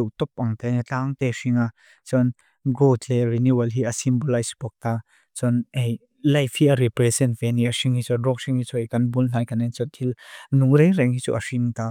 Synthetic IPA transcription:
uwt̪ɔp̚ʔɐŋt̪et͡ɬaːŋt̪eʂiŋa | t͡sɔn | ɡotlɛriniwalɦiɐsimbolajsbɔk̚t̪a | t͡sɔnʔej | lɐjfʰhiɐɾipɾɛsɛntvɛniɐsiŋhit͡sɔrɔk̚siŋhit͡suejkɐnbunl̥aːjkanent͡sɔt̪ʰilnuŋɾejɾɛŋhit͡sṵʔɐ̰ʂiŋt̪a

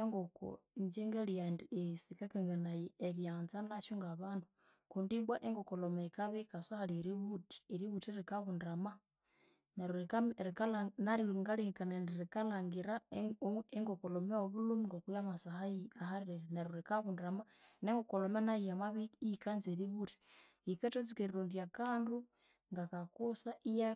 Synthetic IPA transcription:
eŋɡoko̰ɲd͡ʒeŋɡeliandiesikakeŋɡanajieɾjaːnzanaʃuŋɡaβaːndu | kundiβwaʔeŋɡokolomekaβikasahaliɾiβuti̥eɾiβutiɾikaβundɾama | neɾuɾikamɾikalanaɾiŋɡaliŋkanendiɾikalaŋɡiɾa | eŋɡokolomeoβulumiŋɡokujamasahajiahaɾeɾeneɾuɾikaβundɾama | neŋɡokolomenajijamaβiikanzeɾiβuti̥ | ikatazikeɾiɾundiakaːndu | ŋɡakakusaija

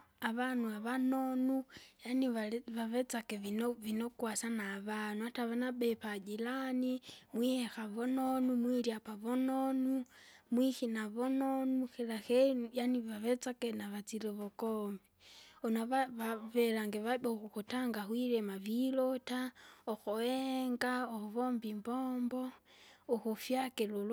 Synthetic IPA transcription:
aβanuaβanonujaniaβaβet͡sakeivinokwasanaβanuataβanabepad͡ʒilanimwiexaβononumwiɾiapaβononumwixinaβononuxelaxenujaniβaβet͡sakenaβat͡siɾeβokombionaβaβaβelaŋɡeβaɓaoxuxutaŋɡaxwiɾɛmaβilotaoxoeŋɡaoβombimbombɔoxufjakelol

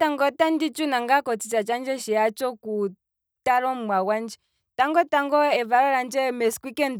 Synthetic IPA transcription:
taŋɡɔtandit͡ʃunaŋɡakɔt͡sisat͡ʃand͡ʒɛʃiat͡ʃɔku | taɾɔmwawand͡ʒɛ | taŋɡɔtaŋɡɔɛvaɾɔɾand͡ʒɛmɛskwikɛnd

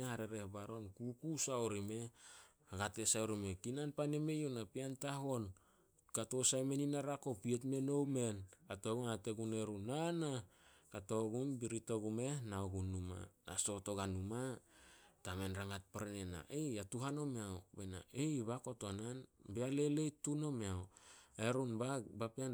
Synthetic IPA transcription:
ehaɾeɾe̞hbaɾo̞nkukusaoɾime̞ | aɡatesaoɾime̞kinanpane̞me̞jonapiantaɦo̞n | kato̞sajme̞ninaɾako̞pietme̞no̞wme̞natoɡumateɡune̞ɾunanakato̞ɡumbiɾito̞ɡume̞naoɡunːuma̰na̰so̞to̞ɡanuma | tame̞nɾaŋat̚paɾenena̰ʔejatuɦano̞meawbena̰ejβako̞to̞nanbeale̞le̞jtuno̞meaweɾunbabapian

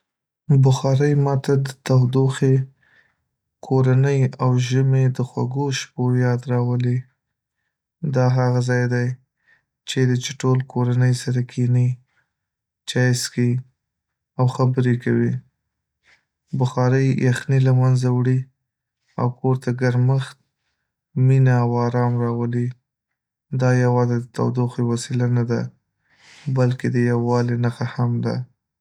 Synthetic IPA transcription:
bʊxɑɾəjmɑt̪ad̪ət̪awd̪oxe | kʰoɾanəjawʒəmed̪əxwaɡoʃpojɑd̪ɾɑwəle | d̪ɑɦaɣazɑjd̪aj | t͡ʃed̪ət͡ʃɪʈolkoɾanəjsaɾakʰini | t͡ʃɑjski | awxabəɾekawi | bʊxɑɾəjjaxnilamanzawɽi | a̰wkoɾt̪aɡaɾməxt̪̚ | minaːwɑɾɑmɾɑwəli | d̪ɑjawɑzed̪ət̪a̰wd̪oxiwasilanad̪a̰ | balked̪əjawːɑlenaxahamd̪a̰

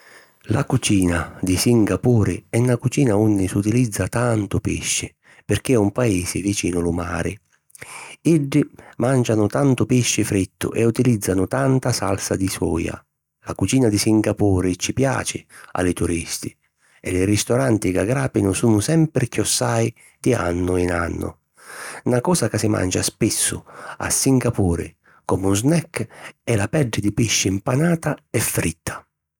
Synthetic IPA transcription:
la̰kut͡ʃiːnad̪ɪsiŋɡapuːɾɪɛnːakut͡ʃiːnaunːɪsut̪ilid̪zːat̪ant̪ʊpɪ̰ʃːɪ | pɪrk̟ɪumpaeːsɪvit͡ʃiːnʊlʊma̰ːɾɪ̰ | iɖːɪmand͡ʒanʊt̪ant̪ʊpɪʃːɪfɾit̪ːʊ̰ʔɛut̪ilid̪zːanʊt̪ant̪asa̰lsad̪isɔ̰ːja̰ | lakut͡ʃiːnad̪isiŋɡapuːɾɪt͡ʃːipja̰ːt͡ʃɪa̰lɪt̪uɾist̪i | ɛlɪɾist̪ɔɾant̪iɡaɡɾaːpinʊsuːnʊsɛmpɾɪkjɔsːaj | d̪̥ia̰nːʊina̰nːʊ̰ | nakɔːsakasɪma̰nd͡ʒa̰spisːʊ̰a̰sːiŋɡapuːɾɪ̰ | kɔmuznɛkːɛlapɛd͡ʒːɪd̪ipiʃːɪimpanaːt̪aɛfːɾit̪ʰːḁ

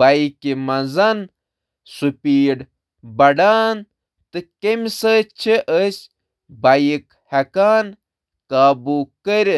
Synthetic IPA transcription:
aikimɐzɐn | supʲiːɖ | bɐɖaːn | t̪ɨkemisət͡ʃʰeʔəsʲ | bɐjik | hɐkaːn | kaːbukəɾʲe

